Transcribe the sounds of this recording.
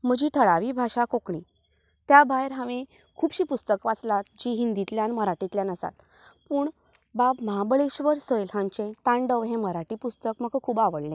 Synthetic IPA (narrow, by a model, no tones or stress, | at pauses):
m̤əd͡ʑiːt̪ʰəɭaʋibʱaɕakokɳi | t̪jabajɾɦãʋẽ | kʰuːbɕiːpust̪əkʋat͡slat̪̚d͡ʑiɦind̪it̪ljãnməɾaʈit̪ljãnəsa̰t̪ | puːɳ | babməɦabəɭeɕʋəɾsəjlɦãɲt͡ɕẽt̪ãɳɖəʋɦẽməɾaʈipust̪əkməɡkʰuːbaʋəɭlẽ